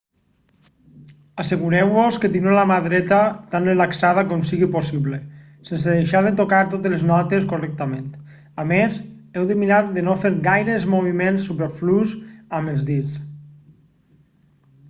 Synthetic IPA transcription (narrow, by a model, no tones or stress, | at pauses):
aseɣuɾɛwβosket̪inolamaðɾɛt̪at̪anrelaksað̞akɔmsiɣiposiβle | senseðeʃaɾðet̪okaɾt̪ot̪eleznɔt̪eskorɛk̚t̪ament̪ | amezɛwðemiɾaɾðenofeɾɣajɾəezmoβ̞imensːupeɾfluzaməlˠzðis